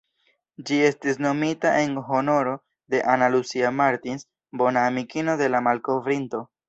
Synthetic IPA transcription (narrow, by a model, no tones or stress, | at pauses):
d͡ʒie̞stis̬no̞mitaʔe̞nɦo̞no̞ɾo̞ | de̞ʔanalusiamaɾtins | bo̞naːmikino̞de̞lamalko̞vɾinto̞